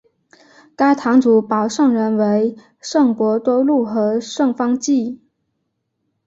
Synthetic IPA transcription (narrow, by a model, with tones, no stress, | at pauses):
ka˥ɪt̪ʰɑ˧˥ŋt͡su˨˥pɑ˨˩ʊʂɤ˥˩ŋɻə˧˥nwe˧˥ɪ | ʂɤ˥˩ŋkwɔ˧˥t̪wɔ˥lu˥˩xɤ˧˥ʂɤ˥˩ŋfɑ˥ŋt͡ɕi˥˩